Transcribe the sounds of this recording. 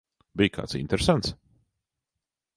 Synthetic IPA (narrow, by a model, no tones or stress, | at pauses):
bijkʰa̰ːt̪sḭnt̪ɛɾsant̪s